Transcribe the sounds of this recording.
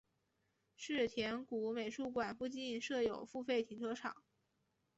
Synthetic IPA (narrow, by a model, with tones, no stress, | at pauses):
ʂɻ̩˥˩t̪ʰjɛ˧˥nku˧˥me˨˩ɪʂu˥˩kwa˨˩npu˥˧t͡ɕi˥˧nʂɤ˥˩jo˨˩ʊfu˥˧fe˥˩ɪt̪ʰi˧˥ŋʈ͡ʂʰɤ˧˥ʈ͡ʂʰɑ̰˨˩˦ŋ